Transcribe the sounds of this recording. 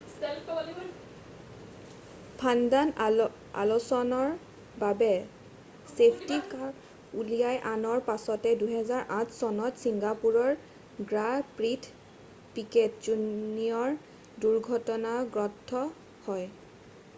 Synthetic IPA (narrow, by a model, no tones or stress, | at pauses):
pʰandan | a̰losɔnɔɹ | babɛ | sepʰtika | ulijajʔanɔɹpasɔtɛduɦɛzaɹʔãtʰsɔnɔtsiŋɡapuɹɔɹ | ɡɹapɹitʰ | piket̚zunijɔɹ | duɹɡʱɔtɔnaɡɹɔtʰːɔ | hɔj